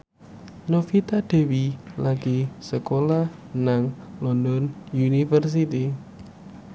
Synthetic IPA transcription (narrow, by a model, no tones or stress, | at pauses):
nofit̪ad̪̥e̤wilaɡ̥isəkolanaŋlɔndɔnjunifərs̬it̪i